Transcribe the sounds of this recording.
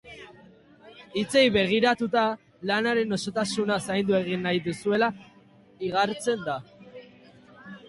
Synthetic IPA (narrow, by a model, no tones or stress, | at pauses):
it͡se̞jβe̞ɣ̞iɾat̪ut̪a | lanaɾe̞no̞so̞t̪asunasajnd̪ue̞ɣ̞inːajðusue̞la | iɣ̞aɾt͡se̞nd̪a